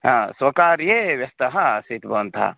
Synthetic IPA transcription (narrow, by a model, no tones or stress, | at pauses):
ɦãswəkaɾjeʋjɐst̪əɦãsit̪bənt̪ʰa̰